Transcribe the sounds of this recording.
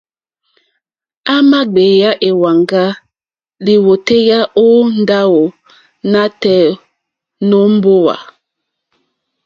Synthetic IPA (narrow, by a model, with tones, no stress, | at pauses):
a˦ma˦ɡ͡be˨ja˦ʔe˨wa˨ŋɡa˦ | li˨wo˨te˦ja˦ʔo˦n̩˦da˦wo˨ | na˦tɛ˦ | no˦m̩˦bo˦wa̰˨